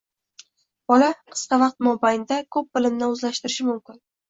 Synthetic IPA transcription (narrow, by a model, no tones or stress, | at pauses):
b̥ɒlaqʰɨ̥sqɑvɑq̚t̪̚mɒbajnɪd̪akʰɵp̚bɪlɪmnɪɵzlaʃt̪ɪɾɪʃɪmʊmkʲɪn